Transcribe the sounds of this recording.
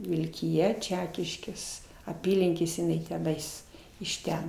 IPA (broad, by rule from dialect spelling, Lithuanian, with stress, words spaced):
ʋʲɪlʲkʲɪˈjɛ ˈt͡ʃʲæːkʲɪʃʲkʲeːs ɐˈpʲiːlʲɪŋʲkʲeːsʲɛ ɪˈnɐɪ tʲɛˈnɐɪs ɪʃ ˈtʲɛn